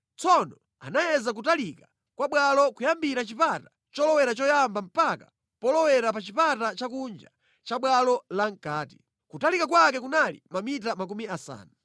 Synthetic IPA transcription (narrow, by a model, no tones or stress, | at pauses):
t͡sɔnɔ | a̰najɛzak̬utalika | kwaɓwalɔkujambiɾat͡ʃipata | t͡ʃɔlɔwɛɾat͡ʃɔjambam̩pakḁ | pɔlɔwɛɾapat͡ʃipatat͡ʃakund͡ʒa | t͡ʃaɓwalɔlaŋ̩kaːti̥ | kutalikak̬wakɛkunalḭmamit̬amak̬umiasa̰ːna